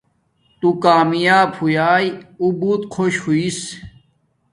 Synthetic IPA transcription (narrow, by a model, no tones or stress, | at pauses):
t̪ukaːmijaːbhujaːjubuːt̪̚kʰoɕhuis